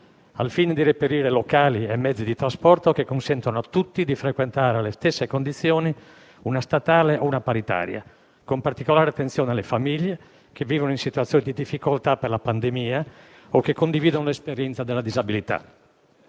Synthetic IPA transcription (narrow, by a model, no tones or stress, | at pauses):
a̰lfiːned̪irepeɾiːɾelokaːliemːɛd̪zːid̪it̪ɾaspɔrt̪okekːonsɛnt̪onoat̪ːut̪ːid̪ifɾekwent̪aːɾealest̪esːekond̪it̪sːjoːni | unast̪at̪aːleʔounapaɾit̪a̰ːɾja̰ | kompart̪ikolaːɾeat̪ːensjoːnealefamiʎːe | k̟evːiːvonoĩsit̪uat̪sjoːnid̪id̪ifːikolt̪aperlapand̪emiːa | okːekːond̪iviːd̪onolespeɾjɛnt̪sad̪elːad̪izabilit̪a̰